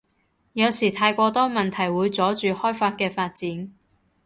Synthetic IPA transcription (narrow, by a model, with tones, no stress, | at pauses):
jɐ˨˧wsiː˨˩t̪ʰaː˧jkʷɔː˧t̪ɔː˥mɐ˨nt̪ʰɐ˨˩jwuː˨˧jt͡sɔː˨˥t͡ʃyː˨hɔː˥jfaː˧t̚kɛː˧faː˧t̚t͡siː˨˥n